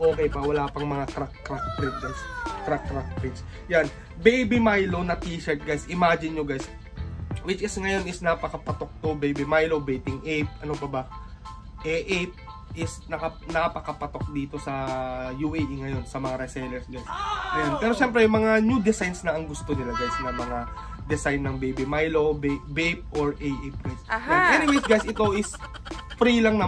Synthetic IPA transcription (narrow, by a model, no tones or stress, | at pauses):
ʔo̞ːkɛjpɐwɐlaːpɐŋmɐŋakɾak̚kɾak̚t̪ɾɪt̪̚ɡajskɾakɾak̚t̪ɾɪks | jan | bejbimajlo̞nɐt̪iːʃɛɹt̪̚ɡajsʔɪmad͡ʒɪnɲoɡajs | wɪt͡ʃɪsŋɐjo̞nɪsnɐpɐkɐpɐt̪o̞k̚t̪obejbimajlobejt̪ɪŋʔejp̚ʔɐnopɐbɐ | ʔɛʔep̚ | ʔɪsnɐkɐ | nɐpɐkɐpɐt̪o̞k̚d̪iːt̪o̞sɐjuʔejʔiŋɐjo̞nsɐmɐŋaɾɛsɛjlɛɹsɡajsɡɐjonpɛːɾo̞ʃɛmpɾɛjʊŋmɐŋanjud̪ɛsajnsnɐʔɐŋɡʊst̪o̞nɪlaɡ̪ajlsɐnamɐŋa | d̪ɛsajnːɐŋbejbɪmajlobebejp̚oɹʔejʔep̚wajsɛnʔɛnɪwejsɡajsɪt̪o̞ʔɪs | fɾilɐŋnɐ